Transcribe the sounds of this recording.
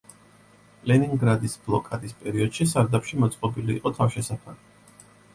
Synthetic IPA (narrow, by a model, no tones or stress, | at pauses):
lɛniŋɡɾad̪isblˠɔkʼad̪ispʼɛɾiɔd̪̥ʃisaɾd̪apʃimɔt̪sʼqʼɔbiliːqʼɔt̪ʰafʃɛsapʰali